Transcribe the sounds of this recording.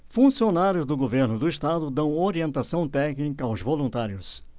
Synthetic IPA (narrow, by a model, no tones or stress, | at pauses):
fũsionaɾjʊzd̪ʊɡoveɾnʊd̪ʊɪst̪ad̪ʊd̪ɐ̃w̃oɾiẽnt̪asɐ̃w̃t̪ɛknikɐawzvolũnt̪aɾjʊs